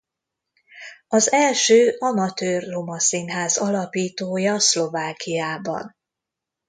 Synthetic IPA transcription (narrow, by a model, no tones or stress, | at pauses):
ɒzɛlʃøːɒmɒt̪øːrːo̞mɒsinɦaːzɒlɒpiːt̪oːjɒslo̞vaːkʰijaːbɒ̰n